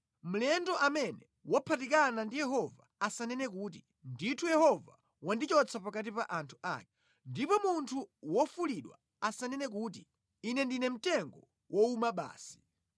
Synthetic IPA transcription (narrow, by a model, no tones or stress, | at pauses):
m̩lɛndɔʔamɛnɛ | wapʰatik̬anandijɛɦɔvaasanɛnɛk̬uːt̬i | nditʰujɛhɔva̰ | wandit͡ʃɔt͡sʰapakat̬ipaʔantʰu̥a̰ːk̚ɛ | ndipɔmuntʰuwɔfuliɗwa̰ | asanɛnɛk̬uːt̬i | inɛndinɛm̩tɛŋɡɔ | wʔɔumaɓa̰ːsi̥